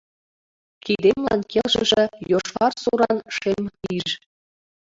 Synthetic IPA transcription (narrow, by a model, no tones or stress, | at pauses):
kid̪emlˠɑ̰nkelʒɘ̰̆ʒĕjoʃʋɑrsuɾɑnʃemiʃ